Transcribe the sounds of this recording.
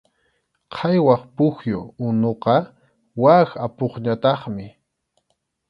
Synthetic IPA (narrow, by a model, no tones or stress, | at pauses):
qʰɑjwɑχpʊxjo̰ʊnoqɑ | waxapoχɲat̪ɑχmɪ